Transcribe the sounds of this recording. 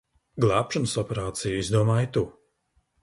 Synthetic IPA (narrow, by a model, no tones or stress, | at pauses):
ɡlˠaːpʃɔnsɔpɛɾaːt̪sijizd̪uɔmaːjt̪u